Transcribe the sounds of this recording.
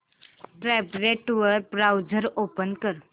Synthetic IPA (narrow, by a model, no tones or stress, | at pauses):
ʈɾɛpɾeʈʋəɾbɾawd͡zəɾopənkəɾ